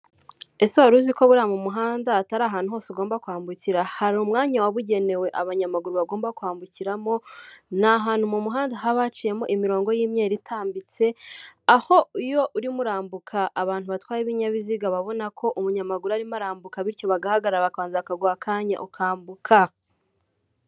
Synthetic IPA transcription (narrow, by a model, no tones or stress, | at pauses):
e̞siaɾuziko̞βuɾamumuɦaːndaːtaɾaːɦaːn̥uɦo̞ːsuɡo̞ːmbakuhaːmbuciɾahaɾuːmŋaːɲawaβuɟe̞ne̞we̞ʔaβaɲamaɡuɾuβaɡo̞ːmbakuhaːmbuciɾamo̞naɦaːn̥humumuɦaːndaɦaβat͡ʃije̞moʔimiɾo̞ːŋɡo̞jiːmɲe̞ːɾitʰaːmbit͡se̞aho̞ijo̞ʔuɾimuɾaːmbukʰaʔːβaːn̥huβatwaːjeβiɲaβiziɡaβaβo̞nakʰo̞ʔumuɲamaɡuɾuaɾimaɾaːmbukaβiɾco̞βaɡahaɡaɾaɾaβakaːnzaakaɡwakʰaːɲa̰ʔukʰaːmbukʰa